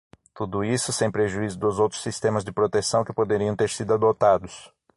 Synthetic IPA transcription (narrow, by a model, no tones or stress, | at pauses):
t̪ud̪ʊisʊsẽj̃pɾeʒuizʊd̪ʊzowt̪ɾʊ̥sːist̪ẽmɐzd͡ʒɪpɾot̪esɐ̃w̃kɪpod̪eɾiɐ̃w̃t̪eɾsid̪ʊad̪ot̪ad̪ʊs